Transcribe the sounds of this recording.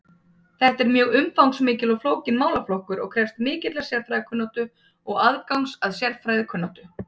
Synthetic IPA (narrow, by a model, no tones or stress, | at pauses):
θɛht̪ɛɾmjœːɣʏmfawŋsmɪːcɪlɔɣfloːwcɪnmaːwlaflohkʏɾɔ̰ɣkʰɾɛfst̪mɪːcɪt̪lɛsjɛɾfɾajðɪkʰʏnːat̪ʏ | ɔɣaðkawŋsaðsjɛɾfɾaːjðɪkʰʏnːawt̪ʏ